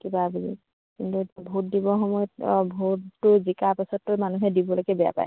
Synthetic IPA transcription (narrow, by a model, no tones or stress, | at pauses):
kibaːbizḭ | kintubʱut̚dibɔxɔmɔjɔtbʱutʊzikapasɔtːʊmanuɦɛdibɔloɡɛbɛja̰pa̰j